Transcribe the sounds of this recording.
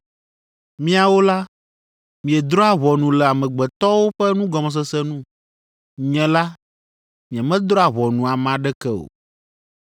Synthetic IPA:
mĩ˦a˨wo˦la˦ | mĩ˨ɛ˨d̪ɾɔ˦a˨βɔ˨nũ˨lɛ˨a˨mɛ̃˨ɡ͡bɛ˨t̪ɔ˦wo˦ɸɛ˦nũ˦ɡɔ˨mɛ̃˨s̬ɛ˦sɛ˦nũ˦ | ɲɛ̃˨la˦ | mĩ˨ɛ˨mɛ̃˦d̪ɾɔ˦a˨βɔ˨nũ˨a˨mã˨ɖɛ˦kɛ˦o̰˨

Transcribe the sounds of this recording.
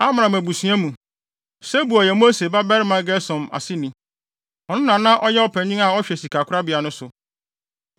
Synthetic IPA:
a˦m˨ã˨mæ̃˨bu˨sɥɛ˦mũ˨ | sɛ˦bu˨ɔ˨jɛ˨mo˦se˨ba˦bɛ˦ɾɪ˦mã˨˦ɡɛ˦sɔ̃˨ma̰˨sɪ˦nĩ˨ | ɔ˨nʊ̃˦nã˨nã˦ʔɔ˦jɛ˦ɔ˦pʰɛ̃˨ɲĩ˦a˨ɔ˦ɕᶣɛ˨si˨kʰa˨kʰʊ˦ɾa˦bi˨a˨nʊ̃˦sʊ˨

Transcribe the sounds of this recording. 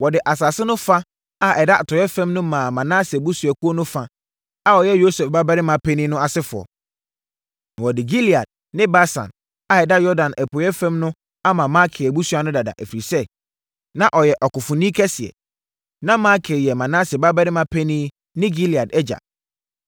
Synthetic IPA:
wɔ˨dɪ˨ʔa˨saː˨sɪ˦nʊ̃˦fa˦ | a˦ʔɛ˨da˦a˨tʰɔ˨jɛ˦fɛ̃˦mnʊ̃˦mã˨mã˨nã˦sɪ˨bu˦su˨a˨ku˦o˦nʊ̃˦fa˦ | a˦ɔ˨jɛ˦jo˦sɛ˨fba˦bɛ˦ɾɪ˦mã˨pʰɛ˦nĩ˦nʊ̃˦a˨sɪ˦fʊ˨ɔ̰˨ | wɔ˨dɪ˨ɡi˦li˨a̰˨d̚ | nɪ̃˦ba˦sã̰˨n | a˦ɛ˨da˦jɔ˦dã˨nʔɛ˨pʰɔ˨jɛ˦fɛ̃˦mnʊ̃˦ | a˦mã˨ma˦kʰɪ˨bu˦su˦a˨nʊ̃˦da˨da̰˨ʔæ˨fi˨ɾi˨sɛ˦ | nã˨ʔɔ˨jɛ˨ʔɔ˨kʊ˨fʊ̃˨nĩ˦kʰɛ˦sɪ˨ɛ̰˨ | nã˦ma˦kʰɪ˨ɾjɛ˨mã˨nã˦sba˦bɛ˦ɾɪ˦mã˨pʰɛ˦nĩ˦ | nɪ̃˦ɡi˦li˨a˨dɛ˦d͡ʑa̰˨

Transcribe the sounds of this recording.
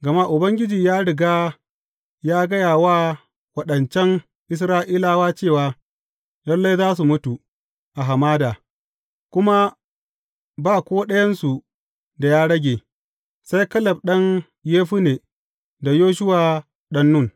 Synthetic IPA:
ɡɐ˨ma˦ʔʊ˨bɐ˦ŋɡʲɪ˦d͡ʒiː˨jaː˦ɽɪ˨ɡaː˦ | jaː˦ɡɐ˦jaː˨waː˦˨ | wɐ˦ɗɐ˨nt͡ʃɛ˦ŋ | ʔɪ˦s̬ɾaː˦ʔiː˦laː˦waː˦t͡ʃeː˦˨waː˦ | lɐ˦lːa˦jzaː˦s̬u˨mʊ˦tu˨ | ʔa˨ɦa˨maː˦daː˨ | kʷʊ˦ma˦ | baː˦˨kʷoː˦ɗɐ˦jɐ˦nsu˨ | da˨jaː˦ɽɐ˦ɡʲeː˨ | sa˦jkɐ˦lɐ˨b̚ɗɐ˦ŋ | jeː˦ɸu˦neː˨ | da˨joː˦ʃ̬ʊ˦waː˨ | ɗɐ˦nːʊ˦˨n

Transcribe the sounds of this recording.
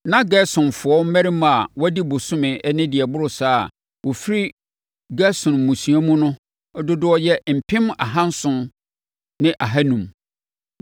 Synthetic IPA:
nã˦ɡɛ˦sʊ̃˨n˨fʊ˨ɔ˦m̩˦mɛ˦ɾi˦m˨a˨wɔ˦di˦bʊ˨sʊ̃˦mɪ̃˨ʔɛ˦nɪ̃˦dɪ˨ɛ˨bʊ˦ɾʊ˨saː˦˨ | wɔ˨fi˦ɾi˦ | ɡɛ˦sʊ̃˨n˨mũ˨sũ˨a˦mũ˦nʊ̃˦ | ɔ˦dʊ˦dʊ˦ɔ˦jɛ˦m̩˨pʰɪ̃˦ma̰˨ɦã˦n̩˦sʊ̃˦n | nɪ̃˦ʔa˨ɦa˦nũ˨m

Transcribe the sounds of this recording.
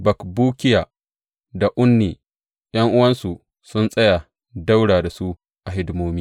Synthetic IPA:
bɐ˨kbuː˦kʲɪ˦jaː˨ | da˨ʔʷʊ˦nːiː˨ | j̰ɐ˦ŋʔʊ˦wɐ˦nsu˨ | sʊ˦nsʼɐ˦ja˨ | da˦wɽaː˨da˨su˦ | ʔa˨ɦɪ˦dmoː˦miː˦

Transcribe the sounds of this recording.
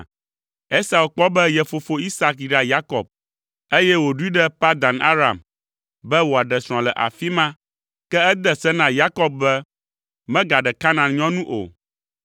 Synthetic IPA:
e˦sa˨wo˨k͡pɔ˦bɛ˦jɛ˨fo˨fo˨i˦sa˦kɖa˨ja˦kɔ̰˨b̚ | e˦jɛ˦wo˨ɖu˦i˦ɖɛ˦pa˦d̪a˨na̰˦ɾa̰˨m | bɛ˦wo˨a˨ɖɛ˨sɾ̃ɔ̃˨lɛ˨ʔa̰˨fi˦mã˦ | kɛ˦ɛ˦d̪ɛ˦sɛ˦nã˦ja˦kɔ˦b̚bɛ˦ | mɛ̃˦ɡa˨ɖɛ˨ka˦nã˨ɲɔ̃˦nũ˦ʔo̰˨

